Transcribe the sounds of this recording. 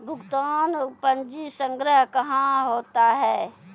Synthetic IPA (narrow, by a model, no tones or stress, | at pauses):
bʱʊkt̪aːnpə̃nd͡ʒisə̃ŋɡɾəɦkəɦãɦoːt̪aɦɛː